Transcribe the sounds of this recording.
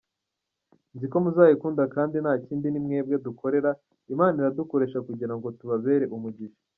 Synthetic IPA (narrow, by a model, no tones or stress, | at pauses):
nziko̞muzaːjikuːndakaːndinhaːciːndinimŋe̞ːb̚ɡeduko̞ɾe̞ɾa | imaːniɾaduko̞ɾe̞ːʃakuɟiɾaŋɡo̞tuβaβe̞ːɾe̞ʔumuɟiʃo̥